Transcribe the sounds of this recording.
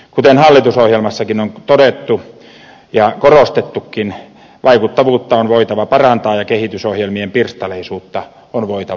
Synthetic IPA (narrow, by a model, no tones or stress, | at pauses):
kut̪enhɑlːit̪usohjelmɑsːɑkinont̪oɾet̪ːu | jɑkorost̪et̪ːukːin | ʋɑikut̪ːɑʋuːt̪ːɑonʋoit̪ɑʋɑpɑrɑnt̪ɑːjɑkehit̪ysohjelmiempirst̪ɑleisuːt̪ːɑ | onʋoit̪ɑ